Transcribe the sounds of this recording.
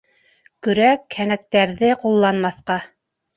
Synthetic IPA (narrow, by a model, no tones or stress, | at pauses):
kɵ̆ɾækhænæk̚t̪æɾðɘqulˠːɑnmɑθqɑ